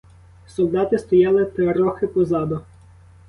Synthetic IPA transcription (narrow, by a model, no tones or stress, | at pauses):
sɔlˠd̪ɑt̪ɪst̪ɔjɑlˠɪt̪ɐɾɔxɪpɔzɑd̪ʊ